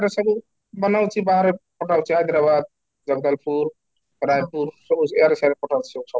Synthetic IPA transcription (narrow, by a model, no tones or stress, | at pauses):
eɾesəbu | bənawt͡ʃʰibaɦaɾepɔʈawt͡ʃʰiɦajd̪ɾabad̪̚ | d͡ʒəɡd̪əlpuɾ | ɾajpuɾsueɾesaɾepɔʈʰawt͡ʃʰioksɔ